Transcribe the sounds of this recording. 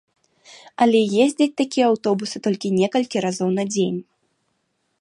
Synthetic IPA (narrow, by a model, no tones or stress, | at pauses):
ɐlʲɛjezʲd͡zʲɐt͡sʲt̪akʲijɛawt̪ɔbusɨt̪ɔlʲkʲinʲɛkɐlʲkʲiɾazɔwnɐd͡zʲenʲ